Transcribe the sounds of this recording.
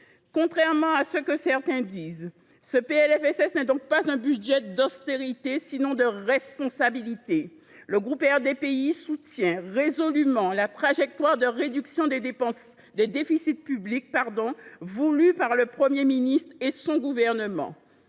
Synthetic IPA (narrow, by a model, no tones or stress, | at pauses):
kɔ̃t̪χɛʁmɑ̃asəkəsɛʁt̪ɛ̃d̪iːz | səpeɛlɛfɛsɛsnɛd̪ɔ̃k̚pazɛ̃byʒɛd̪ɔst̪eʁit̪esinɔ̃d̪əʁɛspɔ̃sabilit̪e | ləɡʁupɛʁd̪epeisut̪jɛ̃ʁezɔlymɑ̃lat̪χaʒɛk̚t̪waʁd̪əʁed̪yksjɔ̃d̪epɑ̃s | d̪ed̪efisit̪̚pyblik̚paʁd̪ɔ̃vulypaʁləpχəmjeminist̪χesɔ̃ɡuvɛʁnəmɑ̰̃